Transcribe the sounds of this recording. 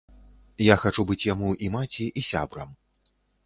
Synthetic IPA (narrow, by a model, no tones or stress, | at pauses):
jaxat͡ʂubɨt͡sʲjamuʔimat͡sʲiʔisʲa̰bɾɐm